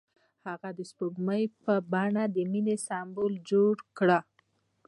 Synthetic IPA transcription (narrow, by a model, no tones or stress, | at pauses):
haɣad̪əspubməjpəbɑɳad̪əminesɑmbold͡ʒoɽkɽa